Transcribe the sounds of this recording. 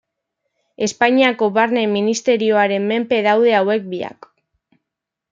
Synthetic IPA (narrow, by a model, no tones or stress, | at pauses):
e̞spaɲiako̞βaɾne̞minist̪e̞ɾio̞aɾe̞mːe̞mpe̞ðawðe̞awe̞k̚bia̰k